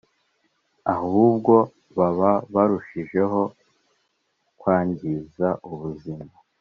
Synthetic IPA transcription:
aɦoβub̚ɡo̞ | βaβaβaɾuʃiʒe̞ɦo̞ | kwaːɲɟizaʔuβuzima

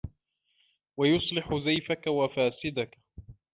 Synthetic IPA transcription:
wajʊsˤlɪħʊzajfakawafaːsɪd̪ak

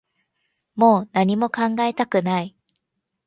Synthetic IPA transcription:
mo̞ːnaɲ̟imo̞kãŋɡae̞t̪akɯ̟nai

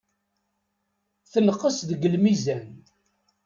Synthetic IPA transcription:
θənqːəsðəɡəlmizæn

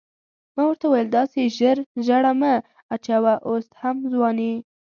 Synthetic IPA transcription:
mɑwəɾt̪awajəld̪ɑseʒəɾʒaɽama | at͡ʃawaʔoshamzwɑni

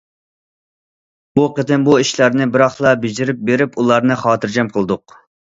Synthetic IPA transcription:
buqət̪ʰɨnbuiʃlæɾnɨbɪɾɑχlˠɑbɪd͡ʒiɾɪp̚beɾɪpulˠɑɾnɨχɑːt̪ʰɨɾd͡ʒɛmqʰəlˠd̪ʊq

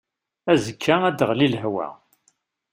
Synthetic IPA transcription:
æzəkʰːææd̪əʁlilɦwæ̰

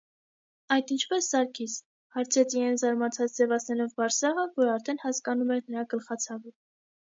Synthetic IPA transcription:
ɑjd̪int͡ʃʰpɛsːɑɾkʰit͡sʰ | hɑɾt͡sʰɛt͡sʰiɛjnzɑɾmɑt͡sʰɑt͡sd͡zɛvɑt͡sʰnɛɾɔvbɑɾsɑʁəvɔɾɑɾt̪ʰɛnhɑskɑnumɛɾnəɾɑɡəlχɑt͡sʰɑvə

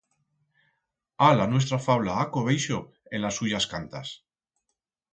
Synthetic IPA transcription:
alanwe̞s̬t̪ɾafawlaakoβejʃo | e̞nlasːuʝaskant̪as

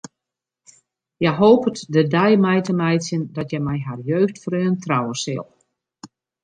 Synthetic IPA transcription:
jɛjɦoːpətdədɛjmɛjtəmɛjsjəndɔtjɛjmɛjɦarjøːxtfrøːntrɔwəsɪ̰lˠ

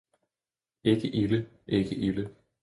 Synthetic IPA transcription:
eɡ̥əʔilə | ʔeɡ̥əʔilə

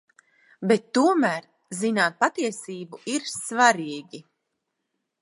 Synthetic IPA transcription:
bɛt̪ːuɔmæːɾ | zinaːt̪̚pat̪iɛsiːbuiɾsvaɾiːɡʲi

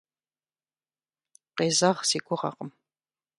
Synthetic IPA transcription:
qeːzɐʁsiːɡʷʼʊʁɐ̰qəm

